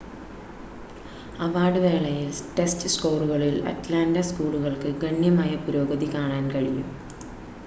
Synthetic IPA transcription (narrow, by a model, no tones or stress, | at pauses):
ɐʋaːɖɨʋe̞ːɭɐjilʈestɨsko̞ːruɣɐɭilɐ̰tlaːndɐskuːɭuɣɐɭkɨɡɐɳːjɐmaːjɐpuɾo̞ːɡɐðikaːɳaːnkɐɻijːṵm